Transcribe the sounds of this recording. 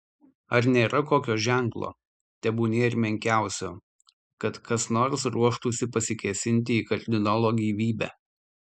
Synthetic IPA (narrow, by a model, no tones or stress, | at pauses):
ɐɾnʲeːɾʔɐkoːkʲoːʒʲæˑŋklˠo̰ː | t̪ʲɛbuːnʲeːɪɾʲmʲɛŋʲkʲæˑʊsʲoː | kɐt̪kɐsnoːɾsɾuɔʃt̪uːsʲɪpɐsʲɪkʲɛsʲɪnʲt̪ʲɪiːkɐɾʲd̪ʲɪnɑlˠoːɡʲiːʋʲiːbʲæ̰ː